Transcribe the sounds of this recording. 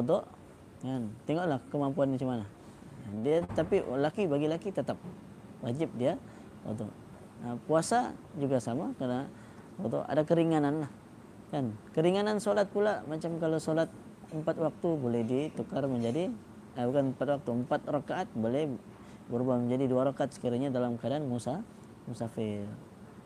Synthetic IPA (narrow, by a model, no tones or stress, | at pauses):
od̪ɔʔ | kant̪ɛŋoʔlahkəmampuanat͡ʃimana | diat̪apilakibaɡilakit̪ət̪ap̚ | wad͡ʒɪp̚dia | o̰d̪ɔ̰ʔ | əpuasa̰d͡ʒuɡasamakarna | pod̪ɔ̰a̰dakəɾiŋananlah | kankəɾiŋanansolat̪̚pulamat͡ʃamkalosolat̪̚ | əmpat̪̚wak̚t̪ubolɛhdit̪ukarməɲd͡ʒadi | əkanəmpat̪̚wak̚t̪uəmpat̪̚rokaʔːt̪̚bolɛh | bəɾubahməɲd͡ʒadiduaɾokaat̪̚sə̥kiɾiɲadalamkadaːnmusa | musafɪl